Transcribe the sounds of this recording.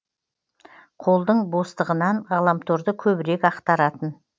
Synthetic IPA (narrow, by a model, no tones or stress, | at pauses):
qʰo̞lˠd̪əɴbo̞st̪əʁənɑɴʁɑlˠɑmt̪ʰoɾd̪əkʲʰɵbɪɾe̞kɑqt̪ɑɾɑt̪ən